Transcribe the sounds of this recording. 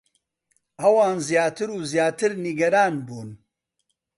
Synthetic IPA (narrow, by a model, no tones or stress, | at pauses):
ʔɐwaːnzijaːt̪ɨɾuːzjaːt̪ɨɾniɡɐɾaːnbuːn